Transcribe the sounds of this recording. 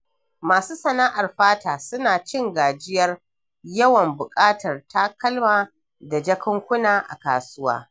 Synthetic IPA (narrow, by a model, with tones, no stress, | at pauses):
maː˨suː˦sɐ˨naː˦ʔa˨rɸaː˦taː˨sʊ˦naː˨t͡ʃɪ˦ŋɡaː˨d͡ʒɪ˦jɐ˦r | jɐ˦wɐ˨mbʊ˨kʼaː˦tɐ˨rtaː˦kɐ˦lmaː˨ | da˨d͡ʒɐ˦kɐ˦ŋkʷʊ˦naː˨ʔa̰˨kaː˨sʊ˦wa̰ː˦